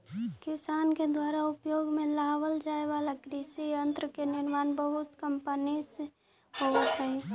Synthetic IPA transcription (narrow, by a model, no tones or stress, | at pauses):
kɪsaːnked̪waːɾaʊpjoːɡmẽlaːwəld͡ʒaːeʋaːlakɾiːsiə̃nt̪ɾəkenɪɾmaːnbəɦʊt̪kəmpənis | ɦot̪ɦɛ